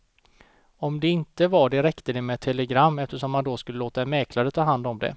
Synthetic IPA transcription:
ɔmd̪ɛɪnt̪əvaɖɛɾɛkt̪əd̪ɛmɛt̪ʰɛlɛɡɾamːɛft̪əʂɔmːand̪oskɵlːəloːt̪aɛmɛːkʰlaɾət̪ʰɑːɦand̪ɔmd̪ɛ̰

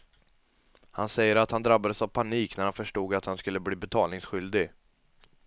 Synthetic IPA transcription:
hansɛjːəɾat̪hand̪ɾabːad̪əsavpʰaniːknæɾhanfœʂʈuːɡat̪hanskɵlːəbliːbɛt̪ʰɑːlnɪŋsɧʏld̪ɪɡ

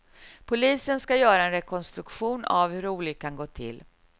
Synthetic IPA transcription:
pʰʊliːsənskajœːɾaɛnɾɛkʰɔnst̪ɾɵkɧuːna̰vhɵɾuːlɪɡ̚kʰːanɡoːt̪ʰɪ̰lː

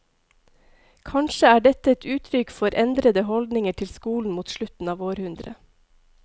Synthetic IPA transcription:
kʰɑnʃəæːɖɛt̪əɛt̪ʰʉːt̪ʰɾʏkfɔɾʔɛnd̪ɾəd̪əhɔld̪nɪŋəʈʰɪlskuːln̩muːt̪ʃɭʉt̪n̩ɑːʋoːɾhʉnd̪ɾə̰

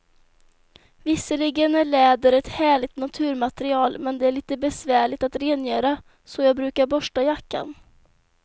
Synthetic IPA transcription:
vɪsːəlɪɡənæɭɛːd̪əɾɛt̪hæːɭɪɡ̚t̪nat̪ʰʉ̟ːɾmat̪ɛɾɪɑːlmɛnd̪ɛæɭiːt̪əbɛsvæːɭɪt̪at̪ɾeːnjœːɾa | sɔjɑːɡ̚bɾʉ̟ːkaɾbɔʂʈajakːa̰n

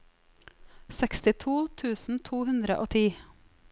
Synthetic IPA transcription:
sɛkst̪ɪt̪ʰuːt̪ʰʉːsn̩t̪ʰuːhʉnd̪ɾə̰ʔoːt̪ʰiː

